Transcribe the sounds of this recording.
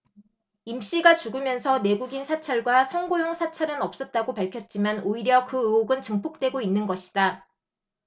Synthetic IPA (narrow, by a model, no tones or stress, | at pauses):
imɕ͈iɡat͡ɕuɡɯmjʌnsʰʌne̞ɡuɡinsʰat͡ɕʰʌɭɡwasʰʌŋɡojoŋsʰat͡ɕʰʌɾɯnʌp̚s͈ʌt̚t͈aɡopaɭkʰjʌt̚t͡ɕ͈imʌnoiɾjʌkɯɯoɡɯnt͡ɕɯŋpʰok̚t͈we̞ɡoinːɯnɡʌɕʰi̥d̥a